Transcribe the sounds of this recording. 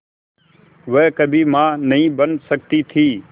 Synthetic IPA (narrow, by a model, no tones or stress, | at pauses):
ʋɛːkəbʱiːmãːnəɦĩːbənsək̚t̪iːt̪ʰiː